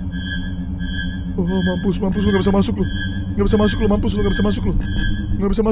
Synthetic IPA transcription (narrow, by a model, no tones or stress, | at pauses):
omampʊsmampʊs̬luŋɡabisamasʊk̚lʊ | ŋɡabis̬amasʊk̚lumampʊs̬luŋɡabis̬amasʊklʊŋɡabis̬ama